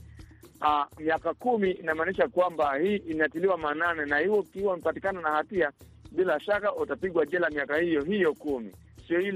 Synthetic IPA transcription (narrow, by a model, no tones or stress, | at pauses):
amiakakumiːnamaːniʃakwambahiːʔinatiliwamananɛnahiwɔkiwam̩patikananahatia | ɓilaʃakautapiɡwaʄɛlamiakahijɔɦijɔkumḭ | siɔi